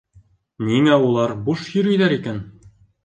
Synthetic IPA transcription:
niŋæulˠɑɾbuʃjɵ̆ɾɵ̆jðæɾikæn

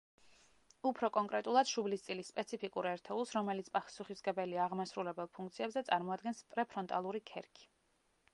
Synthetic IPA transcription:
upʰɾɔkʼɔŋkʼɾɛt̪ʼulˠad̪̥ʃublist̪sʼilisːpʼɛt̪sʰipʰikʼuɾɛɾt̪ʰɛulˠsɾɔmɛlit̪sʰpʼaχsuχisɡɛbɛliaːʁmasɾulɛbɛlˠpʰuŋk̚ʰt̪sʰiɛbzɛt̪sʼaɾmɔad̪̚ɡɛnspʼɾɛpʰɾɔnt̪ʼalˠuɾikʰɛɾkʰi̥

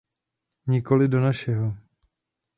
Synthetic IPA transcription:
ɲɪko̞lɪdo̞naʃɛɦo

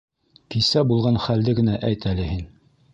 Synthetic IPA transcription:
kisæbulˠʁɑnχæld̪ɘɡɘ̆næʔæjt̪ælɘhin

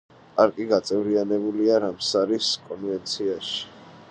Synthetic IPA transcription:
aɾkʼiɡat̪sʼɛvɾianɛbuliaɾamsaɾiskʼɔnvɛnt̪sʰiaʃi̥

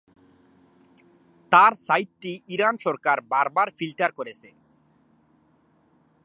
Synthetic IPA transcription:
t̪aɾsajt̪ːiiɾanʃɔɾkaɾbaɾbaɾfilʈaɾkoɾet͡sʰe

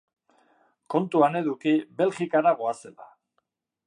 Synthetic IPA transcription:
ko̞nt̪uane̞ðukiβe̞lɣikaɾaɣoase̞la̰

